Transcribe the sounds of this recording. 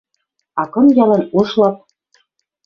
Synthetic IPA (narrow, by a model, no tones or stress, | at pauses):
ɑkɤ̆mjɑlɤ̆nuʃlɑp̚